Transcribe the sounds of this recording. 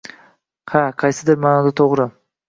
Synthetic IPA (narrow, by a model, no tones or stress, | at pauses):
haqʰɑjsɪd̪ɪɾmaːnɒd̪at̪ʰoʁɾɪ